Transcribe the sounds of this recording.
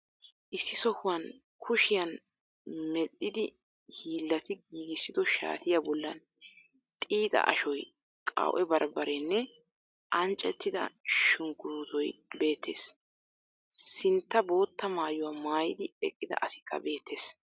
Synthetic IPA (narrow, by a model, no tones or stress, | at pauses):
ʔɪsːɪsɔhʊwɐn | kʰʊʃɪjɐn | mɛɗːɪd̪ɪ | hiːlːɐt̪ɪɡiːɡɪsːɪd̪ɔʃa̰ːt̪ɪjabɔlːɐn | t̪ʼiːt̪ʼɐ̰ʔɐ̰ʃɔj | kʼɐ̰wʔɛbɐɾbɐɾɛnːɛ | ʔɐnt͡ʃʼːɛt̪ːɪd̪ɐ̰ʃʊŋɡʊduːt̪ɔjbe̞ːt̪ʰːe̞̰ːs | sɪnt̪ːɐbo̞ːt̪ːɐmaːjʊwaːmaːjɪd̪ɪɛkʼːɪd̪ɐ̰ʔɐsɪkʰːɐ̰be̞ːt̪ʰːe̞ːs